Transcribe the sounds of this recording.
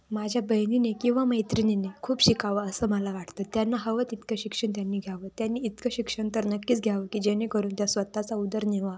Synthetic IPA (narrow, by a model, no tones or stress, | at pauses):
mad͡ʑʱjabəjninekĩw̃ʋaməjt̪ɾinenekʰuːpɕikaʋəəsəːməlaʋaʈt̪əːt̪janːaɦəʋət̪it̪kaɕikʂəɳt̪janːiːɡʱjaʋət̪janːiːt̪kəɕikʂəɳt̪əɾnəkːiːt͡sɡʱjaʋəkiːd͡ʑenekəɾuːnt̪jasʋət̪at͡saud̪əɾneʋa